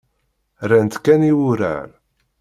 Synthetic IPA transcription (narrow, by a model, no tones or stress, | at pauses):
ɾænt̪kːæniwʊɾa̰ɾ